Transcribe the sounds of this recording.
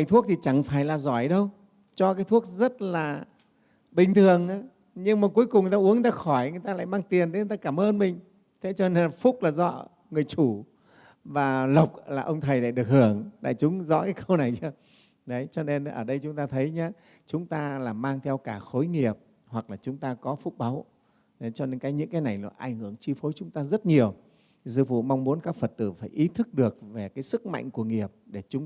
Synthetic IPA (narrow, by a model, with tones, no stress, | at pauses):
ə˨jt̪ʰu˦˥ək̚t̪ʰi˨˩t͡ɕa˧˩ŋfaː˧˩jlaː˨˩zɔ˧˩jɗə˧w | t͡ɕɔ˧kaː˨˦jt̪ʰu˦˥ək̚zə˦˥t̚laː˨˩ | ɓï˨˩ŋ̟t̪ʰɨ˨˩əŋʔaː˨˧˦ | ɲɨ˧ŋmaː˨˩ku˨˦əjkʊ˨˩ŋ͡mŋ˨˩t̪ːʔu˦ŋ˨˩jt̪aː˧xɔ˧˩jŋ˨˩əjt̪aː˧la̰ː˧˨jmaː˧ŋt̪i˨˩ənɗe˨˦ŋ˨˩jt̪aː˧kaː˧˩mʔəː˧nmï˨˩ŋ̟ | t̪ʰe˨˦t͡ɕɔ˧ne˧˨fʊ˦˥k͡p̚laː˨˩zɔ̰˧˥ | ŋɨ˨˩əjt͡ɕu˧˩ | vaː˨˩lə˨˩wk͡p̚laː˨˩ʔə˧wŋ͡mt̪ʰə˨˩jla̰ː˧˨jɗɨ˨˩ək̚hɨ˧˩əŋla̰ː˧˨jt͡ɕʊ˨˦ŋ͡mzɔ̰˧˥kaː˨˦jkə˧wna˨˩jt͡ɕɨ˧ | ɗə˨˦jt͡ɕɔ˧ne˧nʔəː˧˩ɗə˧jt͡ɕʊ˨˦ŋ͡mt̪aː˧t̪ʰə˨˦jɲa˨˧˦ | t͡ɕʊ˨˦ŋ͡mt̪aː˧laː˨˩maː˧ŋt̪ʰɛ˧wkaː˧˩xo˨˦jŋi˨˩əp̚ | hwa˨˩k̚laː˨˩t͡ɕʊ˨˦ŋ͡mt̪aː˧kɔ˨˦fʊ˦˥k͡p̚ɓa˨˦w | ɗe˨˦t͡ɕɔ˧ne˧nkaː˨˦jɲɨ̰˧˥ŋkaː˨˦jna˨˩jlaː˨˩ʔa˧˩jŋ̟hɨ˧˩əŋt͡ɕi˧fo˨˦jt͡ɕʊ˨˦ŋ͡mt̪aː˧zə˦˥t̚ɲi˨˩əw | sɨ̰˧˥vṵ˧˨ma˧wŋ͡mmu˨˦ənkaː˦˥k̚fə˨˩t̚t̪ɨ˧˩faː˧˩jʔi˨˦t̪ʰɨ˦˥k̚ɗɨ˨˩ək̚ve˨˩kaː˨˦jsɨ˦˥k̚ma̰˧˨ŋ̟ku˧˩əŋi˨˩əp̚ɗe˧˩t͡ɕʊ˨˦ŋ͡m